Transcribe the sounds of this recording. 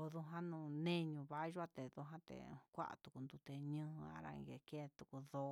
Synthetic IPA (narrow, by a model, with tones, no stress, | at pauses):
o˧ðu˧ɦã˦nũ˧˨nẽ˦ɲũ˧βa˦ʒu˦a˧t̪e˨ðu˧ɦã˦t̪ḛ˨kʷa̰˦ʔa̰˧t̪u˨ku˧nd̪u˧t̪e˧ɲɨ̃˦˧a̰˦ɾa̰˧ḭ̃˧ɡe˧˨ke˦t̪u˨ku˧ðo˧